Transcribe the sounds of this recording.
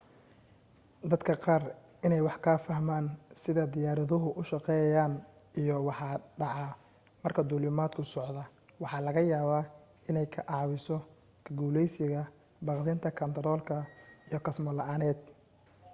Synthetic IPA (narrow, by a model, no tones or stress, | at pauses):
d̪ɐd̪kʰɐqɑːr | ʔɪnɛjwɑħkʰaːfɐhmaːnsɪðɐd̪ɪjaːɾɐðʊɦʊʔʊʃɑqɛːjɐjaːn | ijɔwɑħɑɖɑʕɑ | mɐrkʰɐd̪uːlɪmaːd̪kʰʊsɔʕðɐ | wɑħɑːlɐɣɐjaːβaː | ɪnɛjkʰɐʔɑʕwɪsɔ | kʰɐɡuːlɛjsɪɣɐ | bɑqðɪnt̪ʰɐkʰɐnt̪ʰɐɾɔːlkʰɐijɔkʰɐsmɔlɐʔaːnɛːd̪̚